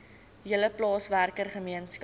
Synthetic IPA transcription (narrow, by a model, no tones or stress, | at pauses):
jələplɑːsværkərχəmiənsk